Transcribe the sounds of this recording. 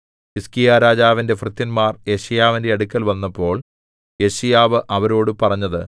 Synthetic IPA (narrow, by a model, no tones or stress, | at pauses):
iskijaːɾaːd͡ʑaːʋinde̞frɨt̪ːinmaːrje̞ɕijaːʋinde̞ɐɽukʲːɐlʋɐnːɐpːo̞ːɭ | je̞ɕijaːʋɨʔɐʋɐɾo̞ːɽɨpɐrɐɲːɐðɨ